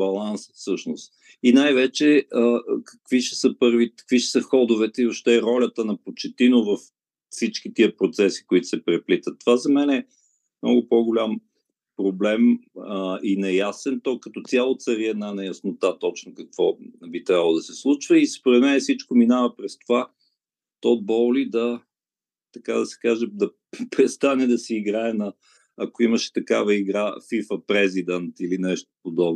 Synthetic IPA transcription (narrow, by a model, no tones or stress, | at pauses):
bɐlˠansfsɤʃnost̪ | inajvɛt͡ʃɛəkə̥kviʃɛ̥səpɤɾvikə̥kviʃɛ̥səxɔd̪ʊvɛt̪ɛioʃt̪ɛɾɔlʲət̪ənɐpot͡ʃɛt̪inovɐfː | sit͡ʃkit̪iəpɾot̪sɛsi̥koit̪ʊ̥sɛpɾɛplit̪ət̪ːovazɐmɛnɛ | mnɔ̰ɡʊpɔɡʊlʲam | pɾoblɛməinɐjasɛnt̪ɔkɐt̪ɔt̪sʲalˠot̪sɐɾiɛd̪nanɛjɐsnot̪at̪ɔt͡ʃnʊkəkv̥ɔnɛbit̪ɾʲabəlˠod̪ɐsɛslˠut͡ʃvɐispoɾɛt̪mɛnɛfsit͡ʃkominavɐpɾɛst̪ova | t̪ɔd̪̚bɔlid̪ɐ | t̪ɐkad̪ɐsɛ̥kaʒɛd̪ɐ | pɾɛst̪anɛd̪ɐsɛiɡɾaɛnɐː | koimɐʃɛ̥t̪ɐkavɐiɡɾafifəpɾɛzid̪ənt̪ilinɛʃt̪o̥pod̪ɔbnʊ